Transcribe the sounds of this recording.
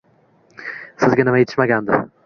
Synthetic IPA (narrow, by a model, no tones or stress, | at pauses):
sɪzɡʲanɪmajet̪ʰɪ̥ʃmaɡʲand̪ɪ̰